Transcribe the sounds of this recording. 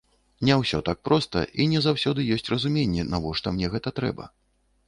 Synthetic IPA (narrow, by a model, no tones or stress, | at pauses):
nʲɛwsʲɔt̪ak̚pɾɔst̪ɐ̰ʔinʲɛzawsʲɔd̪ɨjɔsʲt͡sʲrɐzumʲenʲːɛnavɔʂt̪ɔmnʲɛɣɛt̪ɐt̪ɾɛ̰bɐ̰